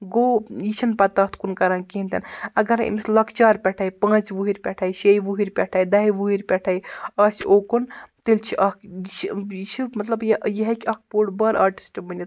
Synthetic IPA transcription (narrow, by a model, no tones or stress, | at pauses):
ɡoːjit͡ʃʰinpɐt̪ɐt̪ʰkunkɐɾãːnkiɦint̪ʰʲinɐɡɐɾḭmislɐkʰt͡ʃaːɾpʲɛʈʰaːjpãːt͡ʃʋuɦiɾʲpʲɛʈʰajʃejʋuɦiɾʲpʲɛʈʰaːjd̪ɐɦiʋuɦiɾʲpʲɛʈʰajɐsʲoːkunt̪ilʲt͡ʃʰiʔɐkʰjit͡ʃʰiit͡ʃʰimɐt̪lɐbjjɐɦɐkʲɐk̚ʰpuːɽbɐɾa̰ːɾʈi̥sʈimɐnʲit̪